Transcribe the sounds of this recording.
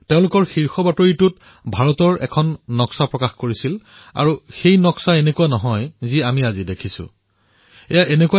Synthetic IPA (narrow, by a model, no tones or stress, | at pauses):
teʊ̃lʊkɔɹxiɹxɔbatoɹitʊt | bʱaɹɔtɔɹɛ̰kʰɔnːɔksapɹɔkaxkoɹisil | a̰ɹuxejnɔksaenekuwanɔɦɔjziamiazidekʰisʊ̰̃ | ɛjaʔenekuwa